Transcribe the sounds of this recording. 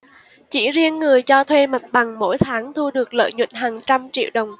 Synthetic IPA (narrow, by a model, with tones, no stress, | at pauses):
t͡ɕḭ˧˩zi˧ənːɨ˨˩əjt͡ɕɔ˧t̪ʰwe˧ma˨˩jt̚ɓa˨˩ŋmo̰˧˥jt̪ʰaː˨˦ŋt̪ʰu˧ɗɨ˨˩ək̚lə̰ː˧˨jɲwḭ˧˨n̟ɦaː˨˩ŋt͡ɕa˧mt͡ɕḭ˧˨əwɗə˨˩wŋ͡m